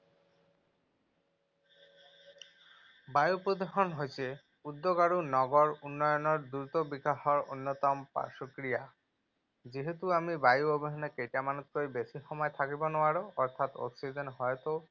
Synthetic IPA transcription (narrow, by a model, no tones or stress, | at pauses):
bajupod̪eɦonɦojt͡ɕʰe | ud̪ːoɡaɽunɔɡoɾunːɔjonoɾd̪uɾt̪obikaɦɔɾo̰nːot̪ɔmpa̰ɾʃokɾija | d͡ʑiɦet̪uamibajuobeɦonekejʈamanot̪̚koɾibesixɔmɔet̪ʰakibonoaɽoɔɾt̪ʰat̪ɔ̰ksid͡ʑenɦɔet̪o